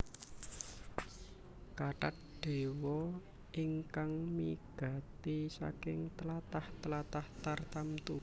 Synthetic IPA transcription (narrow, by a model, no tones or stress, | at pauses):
kaʈat̪̚ɖ̪̥e̤wɔ | iŋkaŋmiɡ̥a̤t̪isa̰kɪŋt̪əlat̪aht̪əlat̪aht̪art̪amt̪u